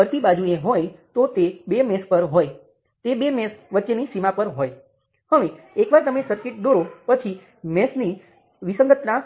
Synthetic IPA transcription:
əɾt̪ibad͡ʒueɦojt̪ot̪ebemɛspəɾɦoj | t̪ebemɛsʋətːʃenisimapəɾɦoj | həʋe | ekʋaɾt̪əmesəɾkɪʈ̚d̪oɾopət͡ʃʰi | mɛsni | ʋisə̃ŋɡət̪na

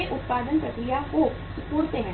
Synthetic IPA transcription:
eʔʊt̪̚paːd̪ənpɾɐkɾijako | sʊp̪uːɾt̪eɦẽ

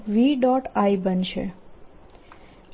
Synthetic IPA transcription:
ʋiɖɔʈaibənʃḛ

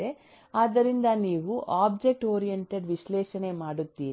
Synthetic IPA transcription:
e | aːd̪ɐɾind̪ɐniːʋuʔaːb̚d͡ʒe̞k̚ʈoːɾijeɳʈeɖʋiʃlɛːʃɐne̞maːɽut̪ːiːɾ

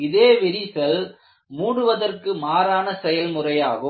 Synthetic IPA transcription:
ɪðeːʋɪɾisɐl | muːɽɯʋɐðɐrkɯmaːɾaːnɐsɛjɐlmʊrɐjaːɣɯ

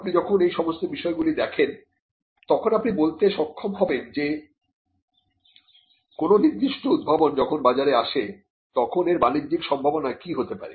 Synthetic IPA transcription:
apnid͡ʑɔkʰonejʃɔmost̪obiʃɔeɡulid̪ɛkʰen | t̪ɔkʰonapnibolt̪eʃɔkʰːomɦɔbend͡ʑe | kononiɾd̪iʃʈoud̪̚bʱabond͡ʑɔkʰonbad͡ʑaɾeaʃe | t̪ɔkʰoneɾbanidːikʃɔmbʱabonakiɦot̪epa̰ɾḛ

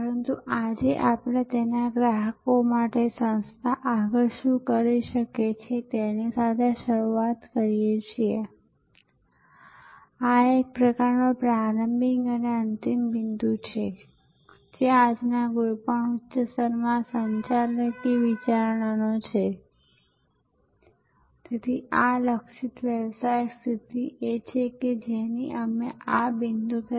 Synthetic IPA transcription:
pəɾənt̪uʔad͡ʒeʔapɽ̃et̪enaɡɾaɦəkomaʈesə̃nst̪ʰaʔaɡəɾʃũkəɾiʃəket͡ʃʰet̪enisat̪ʰeʃəɾuat̪kəɾijet͡ʃʰie | aek̚pɾəkaɾnopɾaɾəmbiŋɡəneənt̪imʋind̪ut͡ʃʰe | d͡ʒead͡ʒnaɡojpəɳutːʃəsəɾmãsəɲt͡ʃaləkiʋit͡ʃaɾɳanot͡ʃʰe | t̪et̪ʰialəkʃit̪ʋjəʋsajst̪ʰit̪iʔet͡ʃʰeked͡ʒeniəmeʔabind̪ut̪ə

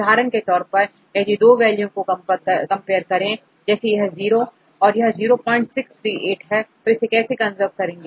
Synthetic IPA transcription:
aːɾənket̪ɔːɾpɐɾ | kɛɦd͡ʒid̪oːʋɛːljõkoɐpkɐ̃mpeːəɾkɐɾẽ | d͡ʒɛːsejɐɦɛziːɾo | ɔːɾjɐɦziːɾopɔ̃ːɪ̃ɲt͡ʃsɪkst̪ʰɾiːʔeːʈɦɛt̪oɪsekɛːsekɐ̃nzəp̚kɐɾẽːŋɡe

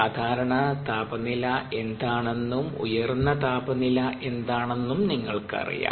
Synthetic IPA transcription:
aːd̪ʱaːɾɐɳɐt̪aːbɐnːilɐʔe̞nd̪aːɳe̞nːumṵjɐrunːɐt̪aːbɐnilɐʔe̞nd̪aːɳe̞nːumniŋːɐɭkɨɐ̰rḭja̰ː

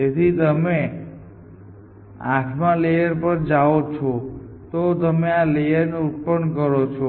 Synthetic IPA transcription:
d͡ʒet̪ʰit̪əme | a̰ʈʰmãlejəɾpəɾd͡ʒaot͡ʃʰo | t̪ot̪əmealejəɾneuʈ̚pənkəɾot͡ʃʰo

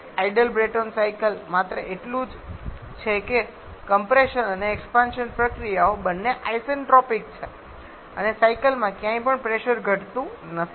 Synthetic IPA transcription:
aiɖəlbɾeʈonsaikəlmat̪ɾəʔeʈlũd͡ʒ | t͡ʃʰeke | kəmpɾeʃənəneːkspãnʃənpɾəkɾijaobənːeʔaisənʈɔpik̚t͡ʃʰe | ə̰nesaikəlmãkjãĩpəɳpɾeʃəɾɡʱəʈt̪ũnət̪ʰi

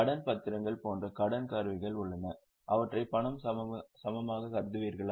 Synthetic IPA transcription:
ɐɽɐnpɐt̪ːɪɾɐŋɡɐɭpoːndrɐkɐɽɐnkaːɾʋɪɣɐɭʊɭːɐnɐ | ʔɐʋɐʈrɐɪpːɐɳɐmsɐmɐmaːɣɐkɐɾd̪ɯʋiːɾɣɐɭ

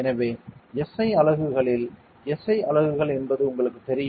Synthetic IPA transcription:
ɛnɐʋeːɛsɐɪɐɭɐɣɯɣɐɭɪl | ɛsɐɪɐɭɐʋɯɣɐɭɛnbɐðɯʊŋɡɐɭɯkːɯt̪ːɛɾɪj

